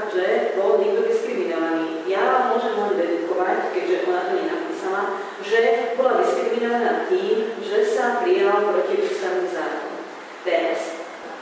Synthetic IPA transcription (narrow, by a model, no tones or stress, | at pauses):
ʒebolnit̪od̪iskɾiminoʋani | jaːʋammoʒemːolibed̪ut̪koʋatkedʒɛʔonat̪olɲenapiːsala | ʒɛbolad̪iskɾiminoʋanat̪iːmʒesampɾijalalapɾot̪iʃisaʋnimzaːɾoo̰m | t̪enɛs